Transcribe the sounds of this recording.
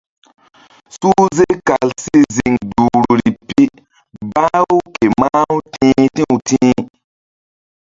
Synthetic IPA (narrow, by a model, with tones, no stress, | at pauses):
su˦ze˦ka˨lsi˦zi˨ŋdu˨ɾɾi˨pi˦ | ba˦wu˦ke˨ma˦u˦tĩː˦tĩ˦u˨tĩ˦